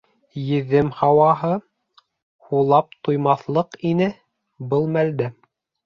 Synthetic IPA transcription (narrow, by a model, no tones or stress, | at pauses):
jɘ̆ðːɘmhɑwɑɦɤ | hulˠɑp̚t̪ujmɑθlˠɤqinɘ | bɤlˠmæld̪æ